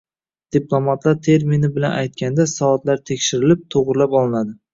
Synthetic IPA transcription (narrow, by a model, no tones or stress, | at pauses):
d̪̥iplˠomat̪laɾt̪ʰe̞ɾminɪbɪlanʔajt̪̚kʲʰand̪asɒːt̪laɾt̪ʰekʲʃɪɾɪlɪp̚t̪ʰoʁɾɪlapɒlˠɪnad̪ɪ